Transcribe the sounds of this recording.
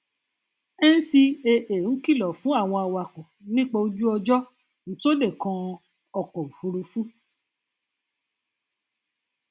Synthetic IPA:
ɛ˦n̩˦si˧e˧ʔe˨ũ˨˦ki˦˨lɔ˨fũ˨˦a˦˨w̃ɔ̃˧a˧wa˧˨kɔ˨nĩ˦k͡pa˧o˧d͡ʒu˦ɔ˧d͡ʒɔ˦ | ñ̩˨˦to˦de˦˨kã˧ | ɔ˧kɔ˨u˨fu˧ɾu˧fu˦

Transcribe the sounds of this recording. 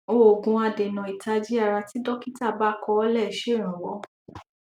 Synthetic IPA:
o˦˨o˨ɡũ˧a˧de˨nã˨i˨ta˧d͡ʒi˦a˦˨ɾa˧ti˦dɔ˦ki˦ta˦˨ba˦kɔ˧˦ɔ˦lɛ˦˨i˨ʃe˦˨ɾ̃ã˨wɔ˨˦

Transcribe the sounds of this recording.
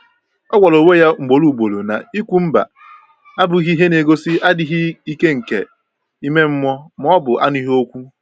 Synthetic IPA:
ɔ˦ɡʷa˨lo˨we˦ja˦ŋ͡m̩˨ɡ͡bo˨˦lu˨ɡ͡bo˨lo˨na̰˨i˦kʷu˨m̩˦ba̰˨ | a˦bʊ˨i˦ɦi˦i˦ɦe˦ne˨ɡo˦sɪ˦ʔa˦dɪ˨ɦɪ˦i˦ke˦ŋ̩˨kḛ˨ | i˦me˦m̩˦mɔ˦m˦ɔ˦bʊ˨ʔa˦ni˦ɦo˦kʷu˦

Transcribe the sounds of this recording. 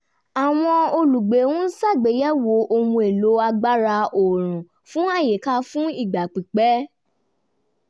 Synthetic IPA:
a˨w̃ɔ̃˧o˧lu˨ɡ͡be˨˦wũ˦sa˦˨ɡ͡be˨˦jɛ˦wo˨˦ʔo˧hũ˧e˨lo˨˦a˧ɡ͡ba˦ɾa˧o˨ɾ̃ũ˨ | fũ˦a˦˨je˨ka˧˦fũ˦i˦˨ɡ͡ba˨k͡pi˨k͡pɛ˦

